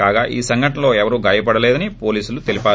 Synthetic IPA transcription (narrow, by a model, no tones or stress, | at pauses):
aːɡaːʔiːsɐŋɡʱɐʈɐnlo̞ːɛʋɐɾuːɡaːjɐpɐɽɐleːd̪ɐnipoːliːsulut̪elipaː